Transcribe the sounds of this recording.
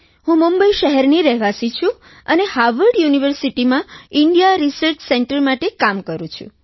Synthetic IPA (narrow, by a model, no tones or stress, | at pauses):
ɦũmumbəiʃəɦɛɾniɾɛɦʋasit͡ʃʰũ | ənehaʋəɾɖjuniʋəɾsiʈimãiɳɖijaɾisəɾt͡ʃsɛɳʈəɾmaʈekamkəɾũt͡ʃʰṵ̃